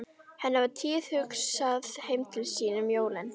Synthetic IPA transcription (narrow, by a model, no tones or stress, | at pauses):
hɛnːavat̪ʰiːðhʏksaðhejmt̪ʰɪlsiːnʏmjoːwlɪn